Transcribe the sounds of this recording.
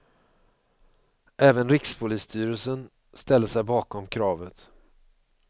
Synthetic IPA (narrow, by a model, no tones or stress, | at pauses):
ʔɛːvənɾɪkspʰʊliːst̪ʰyːɾəlsən | st̪ɛlːəsɛjbɑːkɔmkʰɾɑːvət̪